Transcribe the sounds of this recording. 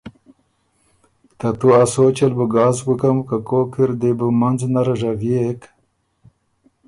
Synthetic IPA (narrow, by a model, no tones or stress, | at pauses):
t̪at̪uasot͡ɕɐlbuɡɑːzɡukɐmkakokiɾd̪ebumɐnznaɾaʐavjek